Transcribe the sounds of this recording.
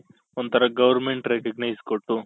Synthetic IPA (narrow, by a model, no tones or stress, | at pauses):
ont̪ʰɐɾɐɡɐʋɐɾmeɳʈɾekɐɡnɐjskoʈːu